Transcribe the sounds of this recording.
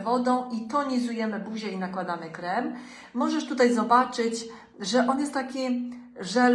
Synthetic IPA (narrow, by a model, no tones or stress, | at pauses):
vɔd̪ɔ̃w̃ʔit̪ɔɲizujɛmɘbuʑɛinakwad̪amɘkɾɛmː | ɔʐɛʂt̪ut̪ajzɔbat͡ʂɘt͡ɕ | ʐɛʔɔnjɛst̪t̪ːakʲiʐɛ